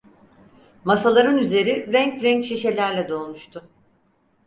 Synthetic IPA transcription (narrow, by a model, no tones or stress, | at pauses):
masalˠaɾɯnyze̞ɾiɾɛɲcɾɛɲcʃiʃe̞lʲæɾlʲɛd̪o̞ːnuʃt̪ʰʊ